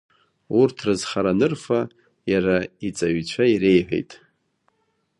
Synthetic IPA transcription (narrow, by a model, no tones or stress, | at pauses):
urtʰrɨzχaɾanɨrfa | jaɾait͡sʼaɥt͡ɕʷʰaiɾe̞jħʷḛjtʼ